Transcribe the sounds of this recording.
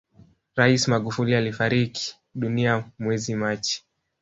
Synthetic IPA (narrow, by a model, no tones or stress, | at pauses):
ɾaismaɠufulialifaɾiki̥ | ɗuniamwɛzimat͡ʃi̥